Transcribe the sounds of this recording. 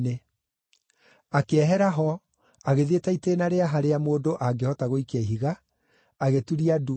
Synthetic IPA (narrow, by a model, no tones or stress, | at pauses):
ne | akeɛɦɛɾaɦɔ | aɣeðetaitenaɾeaɦaɾeamoːdoʔaɡehɔtaɣoikɛɦiɣa | aɣetuɾiadu